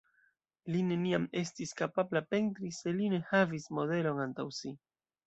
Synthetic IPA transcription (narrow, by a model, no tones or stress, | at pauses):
line̞niame̞stiskapablape̞ntɾise̞line̞havismode̞lo̞nantawsi